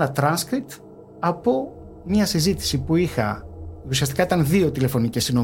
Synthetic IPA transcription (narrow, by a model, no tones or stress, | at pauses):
nɐt̪ɾɐnskɾit̪ | ɐpo̞ | mɲɐsizit̪i̥sipuixɐusiɐst̪ikɐit̪ɐnðio̞t̪ile̞fo̞nice̞sino̞